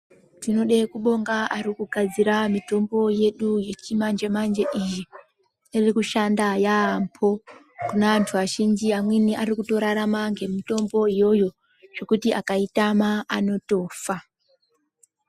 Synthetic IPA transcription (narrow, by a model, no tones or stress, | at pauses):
tino̞ɗekuɓo̞ŋɡaʔaɾikuɡʱad͡ziɾamito̞mbo̞je̞ɗuje̞t͡ʃimand͡ʒe̞mand͡ʒe̞ʔije | irikuʃandajaːmpʰo̞ | kunaʋantʰuʋaʃind͡ʒiamwiniʔaɾikuto̞ɾaɾamaŋɡe̞mito̞mbo̞ijo̞jo̞ | ʐ̥o̞kutiakaitamaʔano̞to̞ːfa